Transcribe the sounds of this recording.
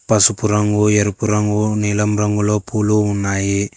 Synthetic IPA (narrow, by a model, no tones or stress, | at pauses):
pɐsupuɾɐŋɡueɾupuɾɐŋɡunilɐmɾɐŋɡuloːpuluunːaːji